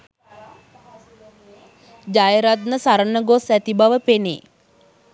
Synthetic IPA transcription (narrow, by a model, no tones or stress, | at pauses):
d͡ʒajəɾat̪̚nəsaɾənəɡosæt̪ibaʋəpenḛː